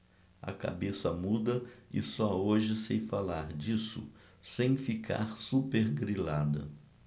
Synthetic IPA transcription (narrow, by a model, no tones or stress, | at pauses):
ɐ̰ka̰besɐmud̪ɐɪ̰sɔoʒɪsejfalaɾd͡ʒisʊ̰ | sẽj̃fikʰa̰ɾsupeɾɡɾilad̪ɐ̰